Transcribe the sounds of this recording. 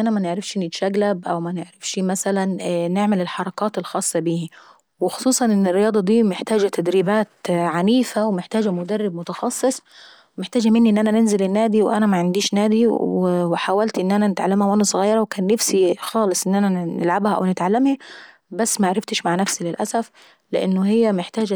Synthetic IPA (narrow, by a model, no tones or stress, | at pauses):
ʔænæmæneʕɾafʃnɪt̪ʃæɡlæbʔæwmæneʕɾafʃmæsælænːeʕmɪlɪlħɑɾˤɑkɑːt̪elxɑːsˤːɑbiːhi | wɪxo̥sˤuːsˤɑnʔɪnːɪrːɪjɑːd̪ˤɑd̪iːmeħt̪æːd͡ʒæt̪æd̪ɾiːbæːt̪ʕaniːfæwemɪħt̪æːd͡ʒæmʊd̪ærˤːɪbmʊt̪ɑxɑsˤːɨsˤ | wmɪħt̪aːd͡ʒæmɪnːiʔɪnːʔænænɪnzɪlɪnːæːd̪iwʔænæmaʕɪnd̪iːʃnæːd̪iwwɪħaːwælt̪ʔɪnːʔænænɪt̪ʕalːamhæwʔænæsˤʊɣɑjːɑɾˤɑwkæːnːafsixɑːlɨsˤʔɪnːʔænænɪ̰lʕabhæʔa̰wnɪt̪ʕalːɪmha | basːmaʕaɾˤɪft̪ɪʃmaʕnæfsilɪlʔæ̰sæf | lɪʔɪ̰nːʊhɪjːæmɪħt̪aːd͡ʒ